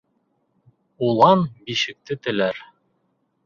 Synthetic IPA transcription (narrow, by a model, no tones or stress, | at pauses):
ulˠɑnbiʃɘ̆k̚t̪ɘt̪ɘ̆læɾ